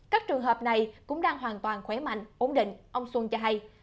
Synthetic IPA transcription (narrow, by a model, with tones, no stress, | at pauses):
kaː˦˥k̚t͡ɕɨ˨˩əŋɦəː˨˩p̚na˨˩jkʊ̰˧˥ŋ͡mɗaː˧ŋɦwaː˨˩nt̪waː˨˩nxwɛ˧˦ma̰˧˨jŋ̟ʔo˧˦nɗḭ̈˧˨ŋ̟ʔə˧wŋ͡mswu˧ŋt͡ɕɔ˧ɦa˧j